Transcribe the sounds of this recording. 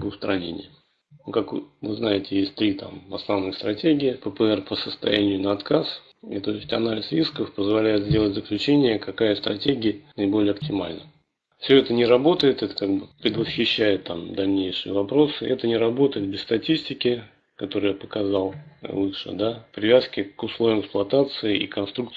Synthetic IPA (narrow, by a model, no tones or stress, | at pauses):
bɨst̪ɾɐnʲḛnʲɪ̰j̪ | okakvɨznajɪtʲɪjesʲtʲt̪ɾʲit̪a̰mvɐsnɐvnɨxst̪ɾɐtʲeɡʲɪɪpəpəɛrpəsəst̪ɐ̰jænʲɪjʊnəɐt̪kas | ḭt̪o̞jɪsʲtʲɐnalʲɪsɾʲiskəfpəzvɐlʲæjɪt̪zʲdʲe̞lˠətʲzəklʲʉt͡ɕenʲɪjəkɐkajəst̪ɾɐtʲeɡʲɪənəɪbo̞lʲɪjəɐptʲɪma̰lʲnə | fsʲɵɛt̪ənʲɪɾɐbo̞t̪əjɪt̪ɛt̪ə̥kaɡbɨpɾʲɪd̪vəsxʲɪɕːæjɪt̪ːamd̪ɐlʲnʲejʂɨjəvɐpɾo̞sɨʔɛt̪ənʲɪɾɐbo̞t̪əjɪt̪̚bʲɪst̪ɐtʲisʲtʲɪkʲɪ | kɐt̪o̞ɾɨjpəkɐzɑlˠlˠɨʂɨ̰d̪apɾʲɪvʲaskʲɪkʊslˠo̞vʲɪmɪksplˠɐt̪at̪sɨɪḭkɐnst̪ɾukt̪